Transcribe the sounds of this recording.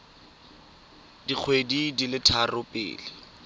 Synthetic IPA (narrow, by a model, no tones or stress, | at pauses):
dik͡xʰwedidilɪtʰarʊpʼɪ̰ːlɪ